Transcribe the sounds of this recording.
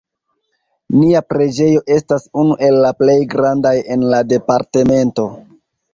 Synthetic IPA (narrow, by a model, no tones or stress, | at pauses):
niapɾe̞d͡ʒe̞jo̞ʔe̞stasunuʔe̞lːaple̞jɡɾandaje̞nlade̞paɾte̞me̞nto̞